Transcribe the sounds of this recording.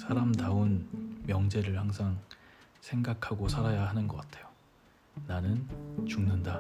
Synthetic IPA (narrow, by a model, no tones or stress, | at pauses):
sʰaɾamdaonmjʌŋd͡ʑe̞ɾɯɭhaŋsʰaŋ | sʰe̞ŋɡakʰaɡosʰaɾajaɦanɯnɡʌk͈atʰe̞jo | nanɯnt͡ɕuŋnɯnda